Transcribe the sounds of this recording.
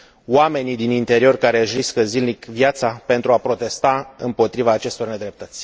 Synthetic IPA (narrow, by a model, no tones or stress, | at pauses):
wame̞nid̪inint̪e̞ɾio̞rkaɾe̞ʒɾiskəzilnikvjat̪sape̞nt̪ɾuapɾo̞t̪e̞st̪aɨ̰mpo̞t̪ɾivaːt͡ʃe̞st̪o̞rne̞d̪ɾe̞p̚t̪ət̪sʲ